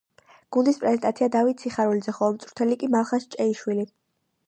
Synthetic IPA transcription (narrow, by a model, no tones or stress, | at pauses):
ɡ̥und̪ispʼɾɛzɛnt̪ʼat̪sʰiad̪avit̪̚sʰiχaɾulid̪zɛχɔmt̪sʼɾu̥t̪ʰɛlikʼimalˠχast͡ʃʼɛiʃwili